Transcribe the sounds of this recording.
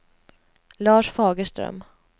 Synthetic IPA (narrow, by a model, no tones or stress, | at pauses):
lɑːʂfɑːɡəʂʈɾœ̰m